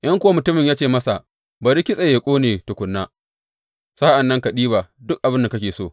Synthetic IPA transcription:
ʔɐ˦ŋkʷʊ˦wa˦mʊ˨tʊ˦mɪ˨ɲjaː˦t͡ʃeː˦˨mɐ˦sa˨ | ba˨ɾi˦kʲɪ˦sʼe˨jeː˨kʷʼoː˦neː˨tʊ˨kʷʊ˨nːaː˦ | saː˦ʔa˨nːɐ˦ŋka˨ɗiː˦baː˨dʊ˦k̚ʔa˨bɪ˦nda˨kɐ˦kʲeː˨soː˦˨

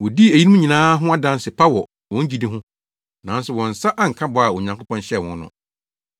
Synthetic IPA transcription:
wɔ˨di˦æ˨jĩ˦mũ˦ɲi˨nãː˦ɦʊ̃˦a˦dã˦n˦sɪ˨pʰa˦wɔ˨ | wɔ̃˦ɲ˦d͡ʑi˦dĩ˦ɦʊ̃˦ | nã˨˦n˦sʊ˨wɔ̃˨n˨sa˦ʔa˦ŋ̩˨kʰa˦bɔ˨˦a˨ɔ˨ɲã˨ŋkʊ˦pʰɔ̃˦nɕɛ˦˨wɔ̃˨˦nː˦ʊ̰̃˨

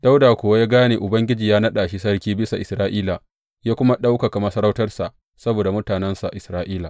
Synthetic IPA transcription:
d̥a˦wdaː˨kʷoː˨wa˦jaː˦ɡaː˦neː˨ʔʊ˨bɐ˦ŋɡʲɪ˦d͡ʒiː˨jaː˦nɐ˦ɗaː˨ʃi˦sɐ˦rkʲiː˦bɪ˦sa˨ʔɪ˨sɾaː˦ʔiː˦la˨ | jaː˦kʷʊ˦ma˦ɗa˦wka˨ka˨mɐ˦sɐ˦ɾa˦wtɐ˦rsa˨ʔ | sɐ˦boː˨da˨mʊ˦taː˨nɛ˦nsa˨ʔʔɪ˨sɾaː˦ʔiː˦la˨

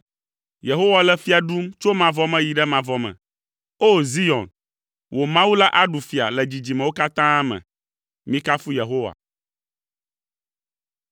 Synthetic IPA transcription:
je˨ɦo˦wa˨lɛ˦fi˦a˨ɖu˦mt͡ʃo˦mã˨vɔ˦mɛ̃˦ji˨ɖɛ˦mã˨vɔ˨mɛ̰̃˨ | o˦zi˦jɔ̰̃˨n | wʔo˨mã˦wu˦la˦ʔa˦ɖu˨fi˨a̰˨lɛ˨d͡ʑi˨d͡ʑi˨mɛ̃˨wo˦ka˦t̪ã˦mɛ̰̃˨ | mĩ˦ka˦fu˦je˨ɦo˦wa̰˨

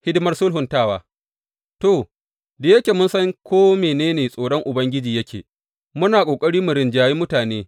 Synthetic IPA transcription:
hɪ˦dɪ˦mɐ˦rsʊ˦lɦʊ˨ntaː˦˨waː˨ | to˨ | da˨jɐ˦kʲeː˨mʊ˦nsɐ˦ŋkʰʷoː˦meː˨neː˦neː˨sʼoː˨ɽɔ˦ŋʔʊ˨bɐ˦ŋɡʲɪ˦d͡ʒiː˨jɐ˦kʲʰḛː˨ | mʊ˦naː˨kʷʼoː˨kʼɐ˦ɽiː˦mʊ˨ɾɪ˨nd͡ʒaː˦ji˦mʊ˦taː˨neː˦

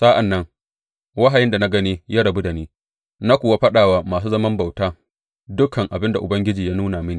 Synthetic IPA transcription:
sa˦ʔa˨nːɐ˦ŋ | wɐ˦ɦa˨jɪ˦nda˨na˦ɡɐ˦niː˦jaː˦ɽɐ˨bu˦da˨niː˦ | na˦kʷʊː˨wa˦ɸɐ˦ɗaː˨waː˨maː˨s̬uː˦zɐ˦mɐ˦mba˨wtaː˦ | dʊ˦kɐ˨ŋʔa˨bɪ˦nda˨ʔʊ˨bɐ˦ŋɡʲɪ˦d͡ʒiː˨jaː˦nuː˦na˨mɪ˦ni˨

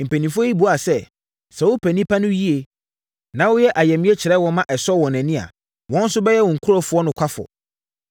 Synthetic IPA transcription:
m̩˨pæ˨nĩ˨fʊ˦ɔ˦i˦bu˨˦˨a˨sɛ˦ | sɛ˨wʊ˦pʰæ˨nĩ˦pʰa˦nʊ̃˦ji˦e˨ | nã˨wʊ˦jɛ˦ʔa˨jɛ˨mɪ̃˦ɛ˦t͡ɕʰɪ˨ɾɛ˦wɔ̃˦mã˦ʔɛ˨sɔ˦wɔ̃˨nɛ̃˨nɪ̃˦a̰˨ | wɔ̃˦n̩˦sʊ˦bɛ˦jɛ˦wɔ̃˨ŋ̩˨kʰu˦ɾɔ˦fʊ˨ɔ˦nʊ̃˨kʷʰa˦fɔ̰˨

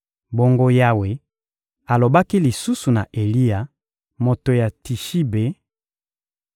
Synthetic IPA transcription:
bo˦ŋɡo˦ja˦we˨ | a˨lo˨ba˦ki˦li˨su˦su˨na˨ʔe˨li˦ja˨ | mo˨to˨ja˨ti˨ʃi˦be˨˦

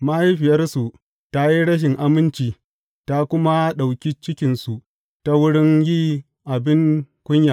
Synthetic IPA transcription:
ma˦ji˦ɸɪ˨jɐ˦rsu˨ | ta˦ji˦ɽɐ˦ʃ̬ɪ˨ŋʔa˨mɪ˦nt͡ʃiː˨ | ta˦kʷʊ˦ma˦ɗa˨wkʲi˦t͡ʃɪ˦kʲɪ˨nsu˨ | ta˦wʊ˦ɽɪ˦ŋjiː˦ | ʔa˨bɪ˦ŋkʷʊ˦ɲja˨

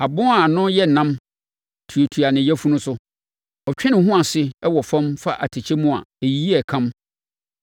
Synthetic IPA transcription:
a˨bʊ̃˦a˨nʊ̃˦jɛ˦˨nã˦m | tʰu˨e˨tʰu˨a˨nɪ̃˨jæ˦fu˦nʊ̃˦sʊ˦ | ɔ˨t͡ɕᶣɛ̃˦nɪ̃˨hɦʊ̃˦a˨sɪ˦ɛ˦wɔ˨fã˦mfa˦ʔa˨tʰɪ˨t͡ɕʰɛ˦mũ˦a̰˨e˨ji˦ɛ˨kʰã˦m

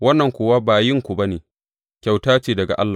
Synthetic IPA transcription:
wɐ˦nːɐ˨ŋkʷʊː˨waː˦baː˨jɪ˦ŋkʷu˨ba˦neː˨ | kʲa˨wtaː˦t͡ʃeː˨dɐ˨ɡa̰˨ʔa̰˦lːaː˨

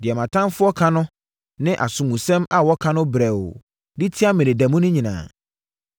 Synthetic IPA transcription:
dɪ˨ɛ˨mã˨tʰã˦nfʊ˦ɔ˦kʰa˦nʊ̃˦ | nɪ̃˦ʔa̰˨sʊ̃˨mũ˨sɛ̃˦ma˨wɔ˦kʰã˦nʊ̃˦bɾɛ˨w | di˦tʰɪ˦a˦mɪ̃˨nɪ̃˨dæ˨mũ˦nʊ̃˦ɲĩ˨nã̰ː˨

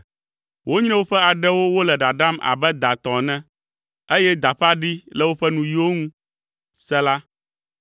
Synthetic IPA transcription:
wʔo˦ɲ̃˦ɛ̃˦wo˦ɸɛ˦a˨ɖɛ˦wo˦wo˦lɛ˨ɖa˨ɖa˦mʔa̰˨bɛ˦d̪a˨t̪ɔ̃˨nɛ̃˦ | e˦jɛ˦d̪a˨ɸa˦ɖi˦lɛ˦wo˦ɸɛ˦nũ˨jo˦ŋũ˦ | sɛ˦la˦

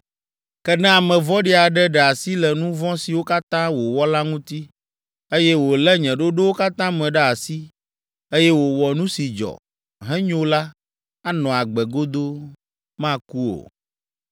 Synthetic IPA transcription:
kɛ˦nɛ̃˦a˨mɛ̃˨vɔ̃˦ɖi˦a˨ɖɛ˦ɖɛ˨a˨si˦lɛ˨nũ˦vɔ̃˦si˨wo˦ka˦t̪ã˦wo˨wɔ˦la˦ŋũ˦t̪i˦ | e˦jɛ˦wo˨lɛ˦ɲɛ̃˨ɖo˦ɖe˦wo˦ka˦t̪ã˦mɛ̃˨ɖɛ˨a˨si˦ | e˦jɛ˦wo˨wɔ˨nũ˦si˨d͡ʒɔ̰˨ | ɦɛ̃˦ɲo˦la˦ | a˦nɔ̃˨a˨ɡ͡bɛ˨ɡo˦d̪o˦ | mã˦ku˦o̰˨

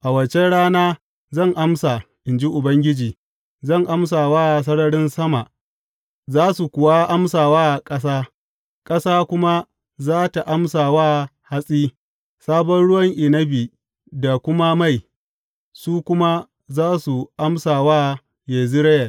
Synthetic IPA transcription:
ʔa˨wɐ˨t͡ʃe˦ɽaː˦naː˦ | zɐ˦˨ŋʔa˦msa˨ | ʔɪ˨nd͡ʒi˦ʔʊ˨bɐ˦ŋɡʲɪ˦d͡ʒiː˨ | zɐ˦˨ŋʔa˦ms̬aː˨waː˦˨s̬ɐ˦ɽɐ˦ɽɪ˦nsɐ˦ma˨ | zaː˦su˨kʷʊ˨wa˦ʔa˦msaː˨waː˦˨kʼɐ˦s̬aː˦ | kʼɐ˦saː˦kʷʊ˦ma˦ | zaː˦ta˨ʔa˦msaː˨waː˦ha˦sʼiː˦ | saː˦bɔ˦nɽʊ˦wɐ˦ŋʔɪ˨nɐ˦biː˨ | da˨kʷʊ˦ma˦ma˦˨j | suː˦kʷʊ˦ma˦ | zaː˦su˨ʔa˦msaː˨waː˦ | je˨zi˦ɽɐ˦jɐ˨l

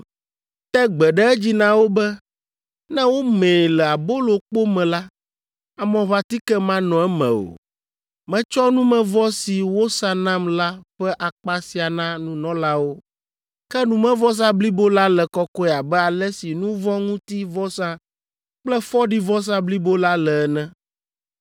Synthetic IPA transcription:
t̪ɛ˦ɡ͡bɛ˨ɖɛ˦ɛ˦d͡ʑi˦nã˦wo˦bɛ˦ | nɛ̃˦wo˦mẽ˨lɛ˨a˨bo˦lo˨k͡po˦mɛ̃˨la˦ | a˨mɔ̃˨βa˦t̪i˦kɛ˦mã˦nɔ̃˨ɛ˦mɛ̰̃˨o̰˨ | mɛ̃˨t͡ʃɔ˦nũ˦mɛ̃˨vɔ˦si˨wo˦sa˦nã˦mla˦ɸɛ˦ʔa˨k͡pa˦si˨a˨nã˦nũ˦nɔ̃˦la˦wo˦ | kɛ˦nũ˨mɛ̃˦vɔ˦s̬ã˦bli˦bo˦la˦lɛ˨kɔ˦kɔ˦ɛ˨a˨bɛ˦a˨lɛ˦si˨nũ˦vɔ˦ŋũ˦t̪i˦vɔ˦sã˦ | k͡plɛ˦fɔ˦ɖi˦vɔ˦s̬ã˦bli˦bo˦la˦lɛ˨ɛ˦nɛ̃˦

